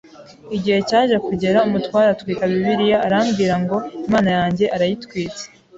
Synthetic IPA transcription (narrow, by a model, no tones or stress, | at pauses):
iɟihe̞caːʒakuɟe̞ɾaumutwaːɾatwiːkaβiβiɾijaːɾamɡiːɾaŋɡo̞imaːnajaːɲɟe̞ʔaɾajitkwiːt͡se̥